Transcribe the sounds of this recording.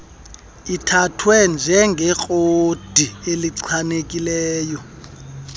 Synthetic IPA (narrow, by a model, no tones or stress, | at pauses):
itʰatʰwɛnd͡ʒʱɛŋɡʱɛk͡xʼod̥ʱieliǀʰanekʼilɛːjɔ